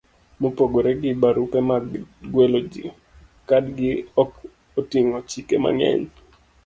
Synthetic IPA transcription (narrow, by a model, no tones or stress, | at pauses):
mopoɡoɾeɡɪbaɾupɛmaɡɡwelod͡ʒḭ | kadɡɪɔk | otiŋɔt͡ʃikema̰ŋɛ̰ɲ